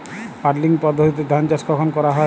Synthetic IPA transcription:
paɾliŋpɔd̪ʱːot̪it̪ɔd̪ʱant͡ʃaskɔkʰɔnkɔɾaɦɔ

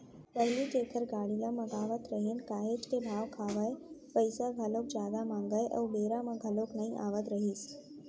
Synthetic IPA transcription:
pəɦliːʈekʰəɾɡaɽilaməɡaʋət̪ɾəɦenkaːɦet͡ʃt̪ebʱaʋkʰaʋəjpəjsaɡʱəlok̚d͡ʑad̪amaŋɡajʔə̰ʋbeɾamãɡʱəloknəɦĩʔaʋət̪ɾəɦiːs

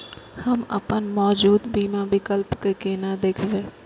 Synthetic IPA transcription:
hɐmɐ̰pənmɔːd͡ʒuːd̪biːmãbɪkəlpkekeːnad̪eːkʰʋẽː

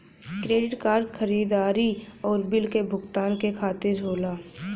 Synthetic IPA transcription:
kɾeːɖɪʈkaːɾɖxəɾiːd̪aːɾiɔːɾbɪlkebʱʊɡt̪aːnkekʰaːt̪ɪɾɦoːlaː

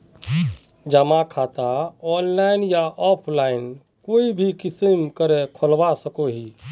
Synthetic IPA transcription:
d͡ʒəmakʰaːt̪aɔːnlaːɪnjaʔɔːpʰlaːɪn | koːibʱikɪsəmkəɾekʰəlwasəkoɦiː

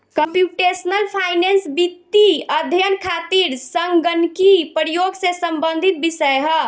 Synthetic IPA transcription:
kəmpjuʈesnəlpʰajnensbit̪ːiəd̪ʱjənkʰat̪iɾsəŋɡɡənkipəɾijoɡsẽsəmbənd̪ʱit̪̚bisəjɦə

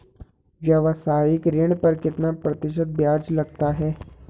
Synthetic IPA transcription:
ʋjɐʋəsaːjɪkɾeɳ̃pɐɾkɪt̪napɾɐt̪ɪʃ̬ət̪̚bjaːd͡ʒlɐɡt̪aɦɛː

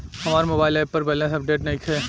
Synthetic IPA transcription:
hɐmaːɾemoːbaːɪlɛːppːɐɾbɛːlẽːsɐp̚ɖeːʈnɐɦiːkɦɛː

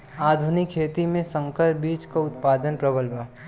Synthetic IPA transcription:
aːd̪ʱunɪkʰːeːt̪imẽsə̃ŋkəɾbiːt͡ʃkaʊt̪̚paːd̪ənpɾəbəlba

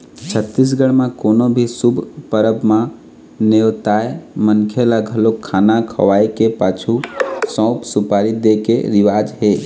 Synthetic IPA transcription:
t͡ʃʰət̪ːis̬ɡəɽmãkoːnobʱisʊbʱpəɾəbmã | neot̪aːemənkʰelaɡʱəlokʰːaːnakʰə̰ʋaːikepaːt͡ʃʰusɔ̃ːpsʊpaːɾid̪ekḛɾɪʋaːd͡ʒɦeː

